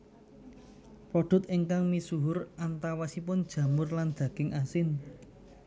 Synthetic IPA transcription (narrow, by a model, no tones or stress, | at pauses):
pɔɖ̥ʊ̤t̪iŋkaŋmisuɦʊrʔant̪awasipʊnd̥ʒ̥ä̤mʊrland̪̥ä̤ɡ̥ɪŋʔasɪn